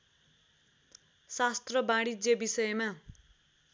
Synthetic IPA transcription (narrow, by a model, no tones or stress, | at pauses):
sast̪rʌbaɽid͡zjebisʌjema